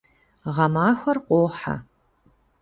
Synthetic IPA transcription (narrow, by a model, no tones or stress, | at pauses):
ʁɐmaːxʷɐrqʷoːħa̰